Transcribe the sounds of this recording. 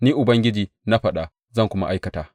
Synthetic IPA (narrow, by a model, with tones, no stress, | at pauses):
niː˦ʔʊ˨bɐ˦ŋɡʲɪ˦d͡ʒiː˨ | na˦ɸɐ˨ɗa˨ | zɐ˦ŋkʷʊ˦ma̰˦ʔa˦jkɐ˨taː˨